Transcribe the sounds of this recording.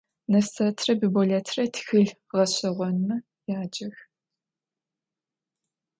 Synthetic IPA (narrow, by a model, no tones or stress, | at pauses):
nɐstʰɐtʰrɐbɨbɔɮɐtʰrɐtʰxɨɮ | ʁɐɕɐʁʷɔnmɐ | jaːd͡ʒɐx